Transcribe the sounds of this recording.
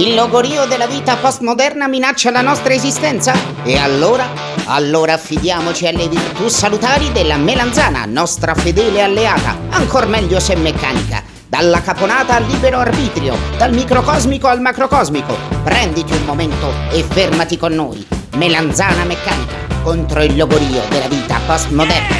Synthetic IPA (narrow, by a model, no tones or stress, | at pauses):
ilːoɡoɾiːod̪elːaviːt̪apɔst̪mod̪ɛrnaminat͡ʃːalanɔst̪ɾaezist̪ɛnt̪sa | ealːoːɾa | a̰lːoːɾaːfːid̪jaːmot͡ʃialːevirt̪usalut̪aːɾid̪elːameland̪zaːna̰nɔst̪ɾafed̪ɛːlealːeaːt̪a̰aŋkʰormɛʎːosemːekːaːnika̰ | d̪alːakaponaːt̪alːiːbeɾoarbiːt̪ɾjo̰d̪almikɾokɔzmikoalmakɾokɔzmiko̰pɾɛnd̪it̪iulmoment̪oefːermat̪ikonːo̰ːjmeland̪zaːnamekːaːnika̰kont̪ɾoilːoɡoɾiːo̰d̪elːaviːt̪a̰past̪mod̪ɛrna